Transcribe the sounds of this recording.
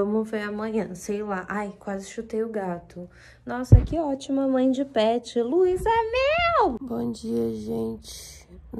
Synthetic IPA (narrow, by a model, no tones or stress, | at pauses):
õmʊfojɐmɐ̃ɲɐ̃sejlaʔajkwazɪʃut̪ejʊɡat̪ʊ | nɔsɐkɪɔt͡ʃimɐmɐ̃j̃d͡ʒɪpɛt͡ʃɪluizɐmewbõd͡ʒiɐʒẽnt͡ʃɪ̥